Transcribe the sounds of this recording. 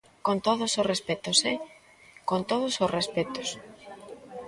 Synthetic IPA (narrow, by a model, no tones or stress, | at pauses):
kont̪oð̞ʊsosrespet̪ose | kont̪oð̞ʊsosrespet̪os